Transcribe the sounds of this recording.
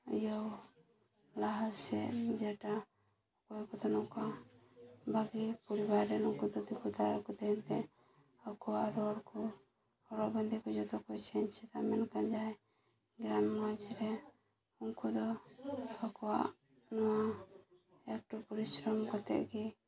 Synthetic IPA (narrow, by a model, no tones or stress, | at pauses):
ijɔw | laɦasɛd͡ʒɛʈa | kɔɛkɔd̪ɔnɔka | baɡipuɾibaɾːɛnɔŋkud̪ɔd̪ikut̪aɾakɔt̪ɛɦɛnt̪ɛ | akɔwaʔɾɔɽkɔ | hɔɾɔbənd̪ikud͡ʒɔd̪ɔkɔt͡ʃʰɛɲt͡ʃɛt̪amɛnkad͡ʒaɛ | ɡɾammad͡ʒɾɛ | uŋkud̪ɔ | akɔwa̰ʔ | nɔwa | ɛk̚ʈpɔɾisɾɔmkɔt̪ɛ̰ʔɡi